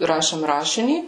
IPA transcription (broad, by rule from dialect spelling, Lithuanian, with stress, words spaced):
ˈrɑːʃʲeːm ˈrɑːʃʲɪnʲiː